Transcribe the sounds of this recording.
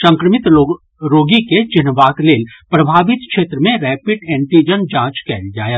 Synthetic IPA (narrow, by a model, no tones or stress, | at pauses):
sɐ̃ŋkɾəmɪt̪ː | ɾoːɡiket͡ʃɪnʋaːkleːlpɾɐbʱaːʋɪt̪kʃeːt̪ɾəmẽɾɛːpɪɖɛ̃ːɳʈid͡ʒənd͡ʒãːt͡ʃkɛːld͡ʒaːja